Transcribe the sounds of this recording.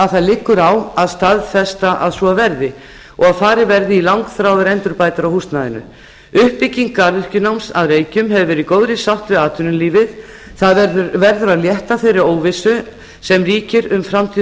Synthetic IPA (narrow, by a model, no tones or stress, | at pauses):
aðθaðlɪkːʏɾawaðst̪aðfɛst̪aʔaðsvɔavɛɾðɪ | ɔɣaðfaːɾɪvɛɾðɪilawŋkθɾaːwðʏɾɛnt̪ʏɾpaːjt̪aɾawhust̪naðɪ̰nʏ̰ | ʏhpːɪciŋkːaɾðʏr̥cʏnawmsaðreːjcʏmɦɛvʏvɛːɾɪikoːwðɾɪsawht̪vɪaːt̪ʰʏnʏmliːvɪð | θaðɛɾðʏɾvɛɾðʏɾaðljɛht̪aθejrɪɾoːwvɪsʏ | sɛmriːcɪɾʏmfɾamt̪ʰiː